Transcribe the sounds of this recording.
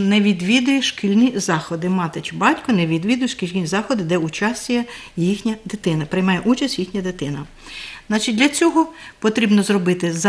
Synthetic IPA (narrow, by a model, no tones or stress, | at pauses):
nɛʋʲid̪ʋʲid̪ʊjɛʃkilʲnʲizɑxɔd̪ɪmɑt̪ɪt͡ʃɪbɑtʲkɔneʋʲid̪ʋʲid̪ʊjʃkʲilʲnʲizɑxɔd̪ɪd̪ɛʊt͡ʃɑsʲt͡sʲijɐjixnʲɐd̪ɪt̪ɪnɐpɾɪjmɑjɛʔut͡ʃɐsʲtʲjixnʲɐd̪ɪt̪ɪnɐ | znɑt͡ʃit̚ʲd̪lʲɐt͡sʲɔɦɔpɔt̪ɾʲibnɔzrɔbɪt̪ɪz